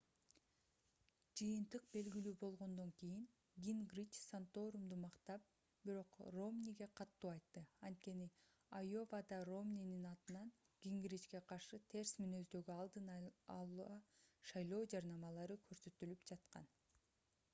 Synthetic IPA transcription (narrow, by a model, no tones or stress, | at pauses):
d͡ʒɯjɯnt̪ɯq̚be̞lɡilyːbo̞lˠʁo̞nd̪o̞ŋkijiŋ | ɡʲiŋɡrʲit͡ʃsant̪o̞ɾumd̪umɑqt̪ɑp̚ | b̥iɾo̞qro̞mnʲiɡe̞qʰɑt̪ːuːɑjt̪ːɯɑnt̪̚ke̞ni | ajo̞vɑd̪ɑro̞mnʲininɑt̪ɯnɑn | ɡ̥ʲiŋɡɾʲit͡ʃke̞qʰɑɾʃɯt̪ʰe̞ɾsminø̞zd̪ø̞ɡyɑlˠd̪ɯnɑlˠuɑʃɑjlˠo̞ːd͡ʒɑɾnɑmɑlˠɑɾɯkʰø̞ɾsø̞t̪ylypd͡ʒɑt̪qɑ̰n